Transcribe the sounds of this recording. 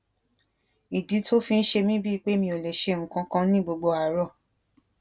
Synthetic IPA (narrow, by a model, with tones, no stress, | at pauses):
i˨di˨˦tʰo˦fĩ˧n̩˦ʃe˧mĩ˦bi˦˧k͡pe˦mĩ˧o˨lɛ˨ʃe˧˦˨ŋ̩˨kã˧kã˧˦nĩ˦ɡ͡bo˧ɡ͡bo˧a˨ɾɔ˧˨